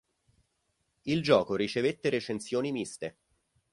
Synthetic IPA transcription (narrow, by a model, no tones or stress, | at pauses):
ild͡ʒɔːkoɾit͡ʃevet̪ːeɾet͡ʃensjoːnimist̪e